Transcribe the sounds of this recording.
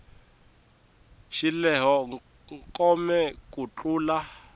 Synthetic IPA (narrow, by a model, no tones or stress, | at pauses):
ʃilɛɦɔ | ŋkʼɔmɛkʼut͡ɬuːla